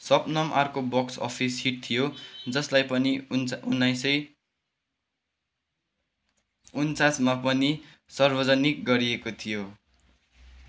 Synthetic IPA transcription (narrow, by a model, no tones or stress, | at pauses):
sʌpnʌmʔarkobʌksʌ̰pʰishiʈ̚t̪ʰijod͡zʌslajpʌninunːajsʌj | unt͡sasmapʌni | sʌrbʌd͡zʌnik̚ɡʌɾiekot̪ʰijo